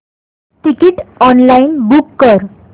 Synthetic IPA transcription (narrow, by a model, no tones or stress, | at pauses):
ʈ̪ikiʈɔnlainbukːəɾ